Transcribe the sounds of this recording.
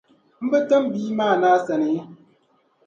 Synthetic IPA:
m̩˦bə˦tə˦mbiː˦maː˦˨naː˦sɛ˨ne˨˦

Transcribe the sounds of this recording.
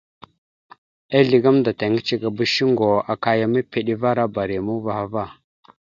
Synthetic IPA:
a˦ɮi˨ɡa˦mda˨ta˨ŋɡi˦t͡ʃi˦ɡa˨bə˦ʃi˦ŋɡo˨a˨ka˦ja˨ma˦pe˨ɗi˦va˦ɾa˦ba˨ɾi˨mu˦va˨ha˦va˦˨

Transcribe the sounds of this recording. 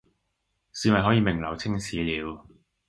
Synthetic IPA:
siː˧nwɐ˨jɦɔ˨˥jiː˨˧mɪ˨˩ŋlɐ˨˩wt͡sʰɪ˥ŋsʰiː˨˥liː˨˧w

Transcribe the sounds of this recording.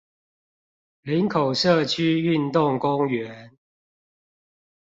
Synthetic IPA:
li˨˦nkʰo˨˩ʊʂɤ˥˨t͡ɕʰy˥y˥˨nt̪ʊ˥˨ŋkʊ˦ŋɥɛ˨˦n

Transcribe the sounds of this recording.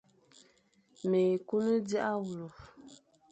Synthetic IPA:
me˨ku˦nə˦di˦ʔa˦wu˨lu˨f

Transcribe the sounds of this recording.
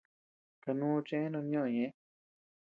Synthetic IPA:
ka˧nũː˦˧t͡ʃẽ˦e˦nõ˧ɲõ˦˨ɲẽ˨˦

